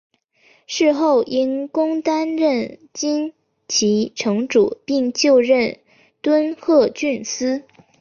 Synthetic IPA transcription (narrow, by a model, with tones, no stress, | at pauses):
ʂɻ̩˥˧xo˥˩ʊʔi˥nkʊ˥ŋt̪a˥nɻə˥˩nt͡ɕi˥n | t͡ɕʰi˧˥ʈ͡ʂʰɤ˧˥ŋʈ͡ʂṵ˨˩pi˥˧ŋt͡ɕjo˥˧ʊɻə˥˩n | t̪wə˥nxɤ˥˧t͡ɕy˥˩nsɹ̩˥